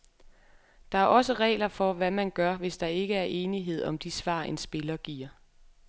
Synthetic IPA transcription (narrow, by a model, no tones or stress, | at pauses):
d̥ɑ̈æɐʔɒ̽səʁɛ̰ːlɐfɒ̽ʋæmænɡ̥ɶɐʋe̝sd̥ɑ̈e̝ɡ̥əæɐʔe̝ːniɦe̝ð̞̰ˠɒ̽md̥isʋɑ̰̈ːe̝nsb̥e̝lɐɡ̥ḭːɐ̰